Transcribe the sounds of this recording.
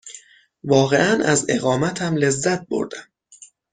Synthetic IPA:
vɒːɣe̞ʔænæze̞̰ɣɒːmæt̪ʰæmle̞zːæt̪̚bo̰ɾd̪æm

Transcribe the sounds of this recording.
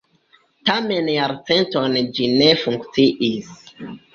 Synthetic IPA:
tame̞njaɾt͡se̞ntond͡ʒine̞fuŋkt͡siʔis

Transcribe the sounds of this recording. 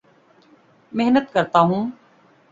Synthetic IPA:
meɦnət̪kəɾt̪aːɦũː

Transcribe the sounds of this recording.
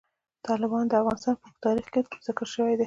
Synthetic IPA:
t̪ɑlɪbɑnd̪əafɣɑnɪst̪ɑnpət̪ɑɾixket̪uzəkəlʃəwejd̪e

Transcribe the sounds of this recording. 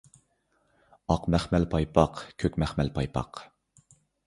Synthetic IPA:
ɑqmæχmælpʰɑjpʰɑqkʲʰøkʲmɛχmælpʰɑjpʰɑ̰q

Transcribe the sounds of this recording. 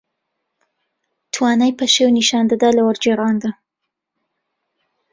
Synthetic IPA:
t̪wɑnajpaʃewniʃɑnd̪ad̪alawaɾd͡ʒeɾɑnd̪a

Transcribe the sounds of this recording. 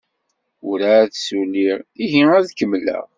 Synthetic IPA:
ʊɾæθsulːiʁiʝiæðkəmːlæ̰ʁ

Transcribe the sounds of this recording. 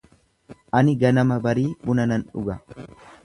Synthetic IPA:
ʔɐnɪɡɐnɐmɐbɐɾiːbʊnɐnɐnᶑʊ̰ɡɐ

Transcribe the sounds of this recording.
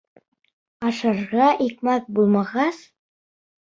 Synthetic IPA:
ɑʃɑɾʁɑʔikmæθ̚bulˠmɑʁɑs

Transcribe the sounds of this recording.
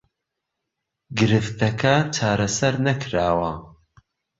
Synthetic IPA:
ɡɨɾɨft̪ʰɐkʰɐt͡ʃʰaːɾɐsɐɾnɐkʰɾaːwɐ

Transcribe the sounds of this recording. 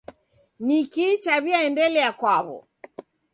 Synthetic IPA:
nikit͡ʃaβiaɛndɛlɛakwaβɔ̰

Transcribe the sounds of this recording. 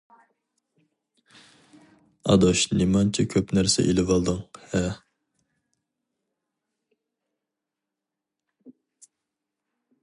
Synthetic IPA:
ɑ̰d̪oʃnɪmɑnt͡ʃʰɛkʲʰøpnæɾsɛ̰ʔilɪvɑlˠd̪ɨŋhɛ

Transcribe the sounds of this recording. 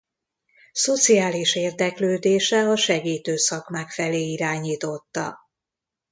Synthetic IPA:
so̞t̪sijaːliʃeːrd̪ɛkløːd̪eːʃɛɒʃɛɡiːt̪øːsɒkmaːkfɛleːiɾaːɲiːt̪o̞t̪ːɒ̰

